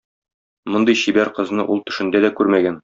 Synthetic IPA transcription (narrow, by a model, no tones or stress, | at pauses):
mŏnd̪ɤjɕibæɾqɤ̆znɤʔulˠt̪ɘ̆ʃɘ̆nd̪æd̪ækʉɾmæɡæn